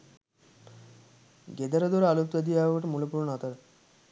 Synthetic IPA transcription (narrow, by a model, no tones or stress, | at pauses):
ɡed̪əɾəd̪oɾalupt̪ad̪iaʋəʈmulopuɾunat̪əɾ